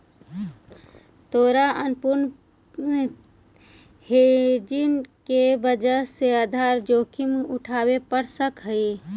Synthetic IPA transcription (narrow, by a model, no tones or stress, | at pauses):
t̪oːɾaʔənpʊɾn | hed͡ʒinkebəd͡ʒəsead̪ʱaːɾd͡ʒoːkʰimʊʈʰaːwepəɽsəkɦəi